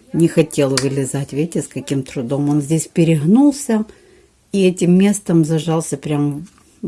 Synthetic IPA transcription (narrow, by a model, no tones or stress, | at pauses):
nʲɪxɐtʲe̞lˠvɨlʲɪzatʲvʲetʲɪskɐkʲimt̪ɾʊd̪o̞mo̞nzʲdʲesʲpʲɪɾʲɪɣnulˠsʲə | iɛtʲɪmːʲe̞st̪əmzɐʐɑlˠsʲəpɾʲam